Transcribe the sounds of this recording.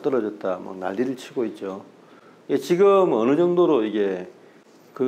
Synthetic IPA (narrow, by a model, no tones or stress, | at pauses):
t͈ʌɾʌd͡ʑʌt̚t͈ama̰k̚na̰ʎːiɾɯɭt͡ɕʰiɡoit̚t͡ɕ͈o | iet͡ɕiɡɯmʌnɯd͡ʑʌŋdoɾoiɡe̞ | kɯ